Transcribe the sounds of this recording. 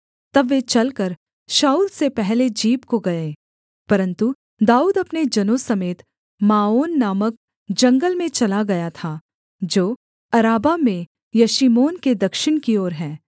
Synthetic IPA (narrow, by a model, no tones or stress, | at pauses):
t̪ɐbːet͡ʃɐlkɐɾ | ʃaːuːlsepɛɦled͡ʒiːbkoɡɐẽː | pɐɾə̃nt̪u | d̪aːuːd̪ɐpned͡ʒɐnosɐmeːt̪ | maːoːnːaːmək̚ | d͡ʒɐ̃ŋɡəlmẽt͡ʃɐlaɡɐjat̪ʰaː | d͡ʒoː | ɐɾaːbamẽ | jɐʃimoːnked̪ɐkʃɪñkioːɾɦɛ̃ː